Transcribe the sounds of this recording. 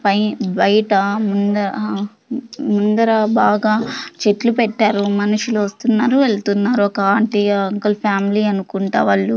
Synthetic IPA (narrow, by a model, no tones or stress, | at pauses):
pɐjbɐjɐʈɐmund̪ɐ | mund̪ɐɾɐbaːɡaːt͡ʃe̞ʈlupɛʈːaːɾumɐnuʂuluʋɐst̪unːaːɾuʋeɭɐt̪unːaːɾuɔkɐaːɳʈiɐɐŋkɐlpʰaːmiliɐnukuɳʈa̰ːʋɐɭːu